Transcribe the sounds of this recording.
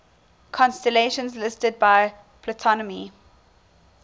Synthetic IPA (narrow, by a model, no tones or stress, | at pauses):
kʰɔ̃nstəleʃə̃nzlɪstəd̚baɪ | pʰlətʰɔnəmi